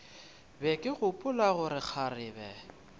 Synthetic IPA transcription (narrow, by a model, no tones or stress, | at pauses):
bɛkʼɪɣʊpʼʊlaɣʊɾɪk͡xʰarɪːbɛ